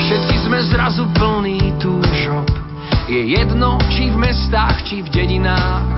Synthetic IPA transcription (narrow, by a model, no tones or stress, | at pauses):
fʃɛt̪kizmɛzɾazupl̩niːt̪uːʒɔp | jɛjɛd̪nɔt͡ʃivmɛst̪aːxt͡ʃivɟɛɟinaːx